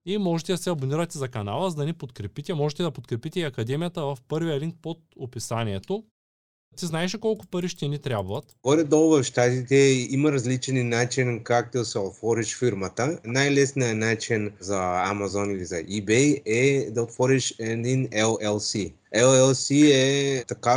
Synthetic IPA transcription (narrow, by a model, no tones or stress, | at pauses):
imɔʒɛt̪ɛd̪ɐsɛɐboniɾɐt̪ɛzɐkɐnalˠəzɐd̪ɐnipot̪kɾɛpit̪ɛmɔʒɛt̪ɛd̪ɐpot̪kɾɛpit̪ɛiɐkɐd̪ɛmijɐt̪ɐvɐfpɤɾvijəliŋk̚pot̪̚opisaniɛt̪o | t̪iznaɛʃɛkɔlˠkʊpɐɾiʃt̪ɛnit̪ɾʲabvɐt̪ɡɔlɛd̪ɔlˠvɐfʃt̪at̪it̪ɛimɐɾɐzlit͡ʃɛninat͡ʃɛnkak̚t̪ʲɛsɛot̪vɔɾiʃfiɾmɐt̪ənajlɛsnijɐnat͡ʃinzɐːmazɔnilizɐ̰ʔibɛjɛd̪ɐot̪vɔɾiʃɛd̪inɛlˠɛlˠsi | ɛlˠɛlˠsiɛt̪ɐka